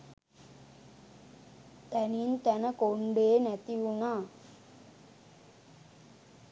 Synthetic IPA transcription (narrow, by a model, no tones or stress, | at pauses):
t̪ɛnint̪ænɐkoɳɖeːnɛt̪iʋunaː